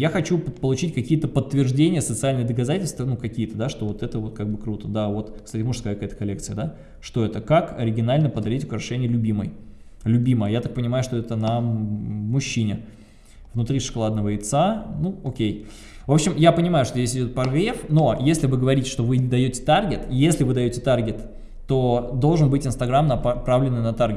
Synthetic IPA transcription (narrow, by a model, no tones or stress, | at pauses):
jaxɐt͡ɕupəpəlˠʊt͡ɕitʲkɐkʲijət̪əpət̪ːvʲɪrʐdʲenʲɪjəsət̪sɨalʲnəjəd̪əkɐzatʲɪlʲst̪vənukɐkʲijət̪əd̪aʂt̪o̞vo̞t̪ɛt̪əvo̞t̪kaɡ̚bɨkɾut̪əd̪avo̞t̪kst̪atʲɪmuʂskakjɛt̪ə̥kɐlʲe̞kt̪sɨjəd̪a | ʂt̪o̞ɛt̪əkakɐ̰ɾʲɪɡʲɪnalʲnəpəd̪ɐɾʲitʲʊkɾɐʂɛnʲɪjəlʲʊbʲimə̰j | lʲʊbʲiməjəjat̪ak̚pənʲɪmajʊʂt̪oɛt̪ənə | mʊɕːinʲɪ | vnʊt̪ɾʲiʂɨ̥kalˠad̪nəvəɪt̪sanuokʲej | vo̞pɕɪmjapənʲɪmajʊʂt̪ozʲdʲes̬ʲɪdʲo̞t̪̚pɐrɡɾʲefno̞jesʲlʲɪvɨɡəvɐɾʲitʲɪ̥ʂt̪o̞vɨd̪ɐjotʲɪ̥t̪arɡʲɪt̪jesʲlʲɪvɨd̪ɐjotʲɪt̪arɡʲɪt̪ː | o̞d̪o̞lˠʐɨnbɨtʲɪnst̪ɐɡɾamnɐpɾavlʲɪnːɨjnɐt̪arɡʲɪ